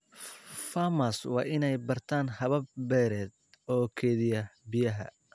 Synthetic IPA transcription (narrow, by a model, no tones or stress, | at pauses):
famɐswɑ̰ːʔɪnɛjbɐrt̪ʰaːnhɐβɐb̚bɛːɾɛːd̪ | ɔːkʰɛːðɪjɐbɪjɐɦɐ̰